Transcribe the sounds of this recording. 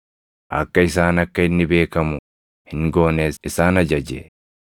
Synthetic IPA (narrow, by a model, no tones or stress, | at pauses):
ʔɐkːɐɪs̬aːnɐkːɐɪnːɪbe̞ːkɐmʊ | hɪŋɡo̞ːneːsɪsaːnɐd͡ʒɐd͡ʒḛː